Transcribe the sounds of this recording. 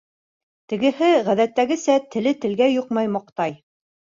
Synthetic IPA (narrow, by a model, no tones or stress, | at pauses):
t̪ɘ̆ɡɘ̆hɘʁæðæt̪ːæɡɘ̆sæt̪ɘ̆lɘt̪ɘ̆lɡæjoqmɑjmɑq̚t̪ɑj